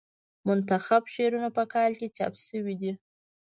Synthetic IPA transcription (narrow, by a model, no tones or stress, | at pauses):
mʊnt̪axabʃeɾunapəkɑlket͡ʃɑ̰psəwid̪i